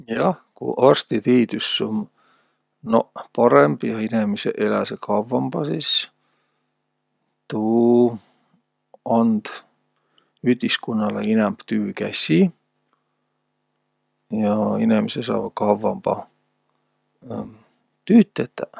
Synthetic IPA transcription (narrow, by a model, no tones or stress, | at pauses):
jɑkṵʔɑrst̪it̪iːt̪ysːom | nopɑɾemb̥jɑinemisḛʔelæsekʰɑvːɑmb̥ɑsis | t̪uː | ɑnd̪̥ | yhd̪̥iskunːɑlḛinæmb̥t̪yːkæsʲi | jɑinemesesɑ̰ːbkɑvɑmb̥ɑ̰ | t̪yːt̪ːˑet̪ːæ